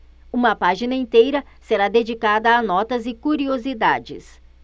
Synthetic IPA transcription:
ũmɐpaʒinɐĩt̪ejɾɐseɾad̪ed͡ʒikad̪ɐːnɔt̪ɐzɪkuɾiozid̪ad͡ʒɪ̰s

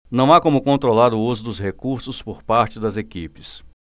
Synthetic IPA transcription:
nɐ̃w̃akõmʊkõnt̪ɾolaɾʊuzʊd̪ʊshekuɾsʊspoɾpaɾt͡ʃɪd̪ɐzekipɪs

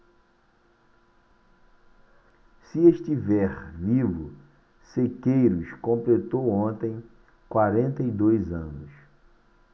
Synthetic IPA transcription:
sɪeʃt͡ʃivɛɾvivʊ̰ | sekejɾʊskõmplet̪owõnt̪ẽj̃ | kwaɾẽnt̪ɐid̪ojzɐ̃nʊs

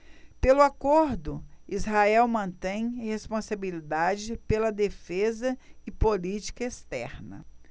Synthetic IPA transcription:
pelʊakoɾd̪ʊizɦaɛwmɐ̃nt̪ẽj̃hespõsabilid̪ad͡ʒɪpelɐd̪efezɐɪpolit͡ʃi̥kɐest̪ɛ̰ɾnɐ̰

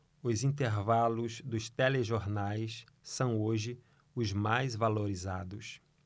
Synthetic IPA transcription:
ʊzĩnt̪eɾvalʊzd̪ʊst̪eleʒoɾnajs | sɐ̃w̃oʒɪ | ʊzmajzvaloɾizad̪ʊs

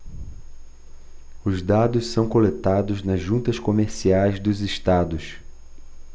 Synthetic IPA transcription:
ʊzd̪ad̪ʊssɐ̃w̃kolet̪ad̪ʊznɐzʒũnt̪ɐʃkomeɾsiajzd̪ʊzɪʃt̪ad̪ʊs

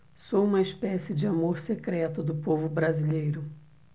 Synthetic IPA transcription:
soũmɐespɛsɪd͡ʒɪamoɾsekɾɛt̪ʊd̪ʊpovʊbɾazilejɾʊ

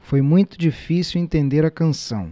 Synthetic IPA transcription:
fojmũj̃t̪ʊd͡ʒifisiwẽnt̪ẽnd̪eɾɐkɐ̃sɐ̰̃w̃

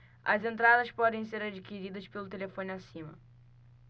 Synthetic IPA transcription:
ɐzẽnt̪ɾad̪ɐʃpɔd̪ẽj̃seɾad͡ʒikiɾid̪ɐʃpelʊt̪elefõnasĩmɐ̰

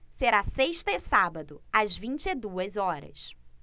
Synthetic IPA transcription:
seɾaseʃt̪ɐɪsabɐd̪ʊɐzvĩnt͡ʃɪɪd̪uɐzɔɾɐ̰s

